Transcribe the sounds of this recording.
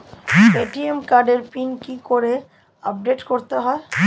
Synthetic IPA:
eʈiemkaɾɖeɾpinkikoɾe | əp̚ɖeʈkɔɾt̪aɦɛ

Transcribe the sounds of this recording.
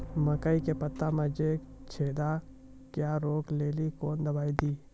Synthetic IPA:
məkaikepət̪ːamə̃d͡ʒe | t͡ʃʰeːd̪a | kjaːɾoːkleːlikoːnd̪ɐbaːid̪iː

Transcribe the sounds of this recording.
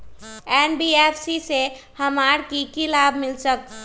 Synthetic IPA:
ɛːnbiːɛːpʰsise | hɐmaːɽkikɪlaːbmɪlsək̚t̪

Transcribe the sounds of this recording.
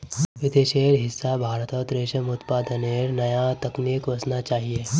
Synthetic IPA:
ʋɪd̪eːʃeːɾɦɪsːabʱaːɾt̪ɔt̪ɾeːʃəmʊt̪paːd̪əneɾnɐjat̪ɐknikʋɐsnat͡ʃaːɦieː

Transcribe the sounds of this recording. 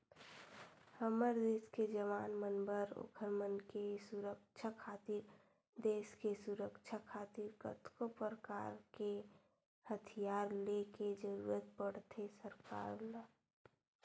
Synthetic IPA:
həməɾd̪eːsked͡ʒəʋaːnmənbəɾo̰kʰəɾmənkesuɾək̚t͡ʃʰakʰaːt̪iɾ | d̪eːʃkesuɾəkt͡ʃʰakʰaːt̪iɾkə̰t̪kopəɾəka̰ːɾke | hət̪ʰijaːɾleked͡ʒəɾṵːɾət̪̚pəɽt̪ʰesəɾka̰ːɾla

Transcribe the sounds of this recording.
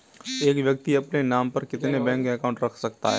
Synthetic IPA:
eːkʋjək̚t̪iɐpnenaːmpɐɾkɪt̪nebɛ̃ːŋkɛkaʊ̃ɳʈɾɐkʰsɐkt̪a̰ɦɛː

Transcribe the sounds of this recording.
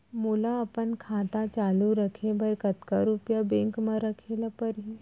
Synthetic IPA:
mulaɐpənkʰãːt̪at͡ʃaːluɾəkʰebʱɐɾkɐt̪kaɾupjabẽŋkmãɾɐkʰelapəɾɦi

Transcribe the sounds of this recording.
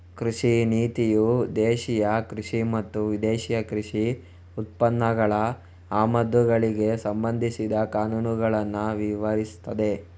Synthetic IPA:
kɾuʂiniːt̪ijud̪eːʃijɐkɾuʂimɐt̪ːuʋid̪eːʃijɐkɾiʂi | ut̪̚pɐnːɐɡɐɭɐ | aːmɐd̪uɡɐɭiɡe̞sɐmbɐnd̪ʱisid̪ɐkaːnuːnuɡɐɭɐnːuʋiʋɐɾist̪ɐd̪e̞

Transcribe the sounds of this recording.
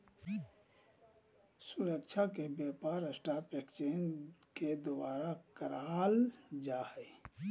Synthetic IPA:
suɾək̚t͡ʃʰakebjeːpaːɾəsʈaːpekt͡ʃeːnked̪obaːɾakəɾaːld͡ʒaːɦɛ

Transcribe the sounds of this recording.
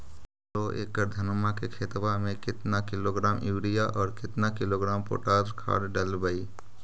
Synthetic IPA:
ɾoʔḛːkːəɾd̪ʱənmakekʰeːt̪bamẽkɪt̪nakɪloːɡɾaːmjuːɽijaʔɔːɾkɪt̪nakɪloːɡɾaːmpo̰ːʈaːzkʰa̰ːɽɖəlbəi

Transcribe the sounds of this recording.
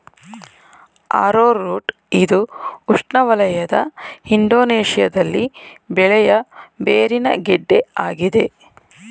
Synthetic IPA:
a̰ːɾoːɾːuːʈ | id̪uuʂʈɳɐʋɐlɐjɐd̪ɐhiɳɖ̪o̞ːneːʂijɐd̪ɐlːibɛɭɛjɐbeːɾinɐ̰ɡɛɖːe̞aːɡid̪e̞

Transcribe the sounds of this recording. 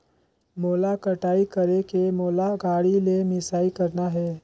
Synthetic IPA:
moːlakəʈaːikəɾekemoːlaɡaːɽilemɪsaːikɐɾnaɦɛː

